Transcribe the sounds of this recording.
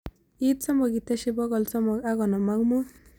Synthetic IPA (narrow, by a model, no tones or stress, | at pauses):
it̪sɔmɔɡit̪aʃibɔɡɔlsɔmɔkaɡɔnɔmakmu